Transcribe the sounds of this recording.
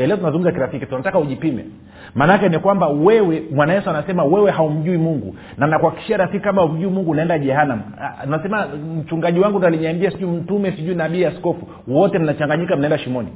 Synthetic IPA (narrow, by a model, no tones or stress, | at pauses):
alɛɔt̬unazuɡm̩zakiɾafikitunatakauʄipimɛ̰ | manakɛnikwambawɛwɛmwanajɛsuanasɛmawɛwɛhaum̩ʄuimuŋɡṵ | nanakuaki̥ʃiaɾafikikamaum̩ʄuimuŋɡunaɛndaʄɛɦanam | unasɛmam̩t͡ʃuŋɡaʄiwaŋɡunaliɲambiasiʄuim̩tumɛsiʄuinaɓiːjaskɔfu | wɔtɛm̩nat͡ʃaŋɡaɲikam̩naɛndaʃimɔnḭ